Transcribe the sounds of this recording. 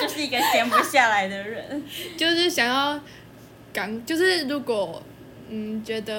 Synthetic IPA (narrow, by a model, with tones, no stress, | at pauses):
t͡ɕjo˥˧ʂɻ̩˥˩i˧ɡə˧ɕjɛ˧˥npu˧˥ɕja˥˩la˧˦ɪd̪ə˧ɻə˧˦nt͡ɕjo˥˧ʊʂɻ̩˥˩ɕjɑ˨˩ŋjɑ˥˩ʊ | ka˨˩ŋt͡ɕjo˥˧ʊʂɻ̩˥˩ɻu˧˦˥kwɔ˨˩ | n̩˥˩t͡ɕɥɛ˧˥d̪ə˧